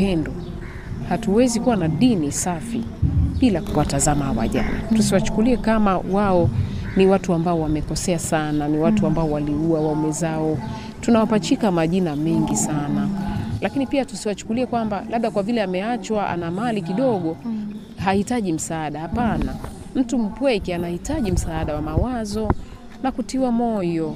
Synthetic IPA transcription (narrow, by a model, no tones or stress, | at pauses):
ɛndɔ | hatuwɛzikuwanaɗinisafḭ | ɓilakuwatazamahawa̰ʄa̰na̰tusiwat͡ʃu̥kuliɛkamawaɔ | niwatuambaɔwamɛkɔsɛasananiwatuambaɔwaliuawaɔmɛzaɔ | tunawapat͡ʃikamaʄinamɛŋɡisanalakinipiatusiwat͡ʃu̥kuliɛkwambalaɓ̚ɗakwavilɛamɛat͡ʃwaʔa̰namalikiɗɔɠɔ | hahitaʄim̩saːɗahapana | m̩tum̩pwɛkianahitaʄim̩saːɗawamawazɔ | nakutiwamɔjɔ